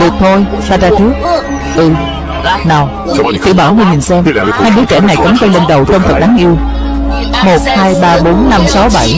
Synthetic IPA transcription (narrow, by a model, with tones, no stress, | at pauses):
ɗɨ˨˩ək̚t̪ʰo˧j | faː˧zaː˧t͡ɕɨ˦˥ək̚ | ʔɨ˧˩ | naː˨˩w | t̪ɨ̰˧˨ɓaː˧˩wŋi˧hi˨˩ŋ̟sɛ˧mhaː˧jɓɨ˨˦˥t͡ɕɛ˧˩na˨˩jkə˨˦mk̪ə˧nlə˧nɗə˨˩wt͡ɕɔ˧ŋ͡mt̪ʰə˨˩t̚ɗaː˨˦ŋʔi˧əw | mo˨˩t̚haː˧jɓaː˧ɓo˨˦nːa˧msa˨˦wɓa˧˩j